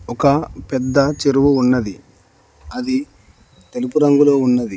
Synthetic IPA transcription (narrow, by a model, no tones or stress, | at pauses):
ɔkɐpɛd̪ːɐt͡ʃeɾuʋuːnːɐd̪i | ɐd̪i | t̪e̞lupuɾɐŋɡulo̞ːunːɐd̪i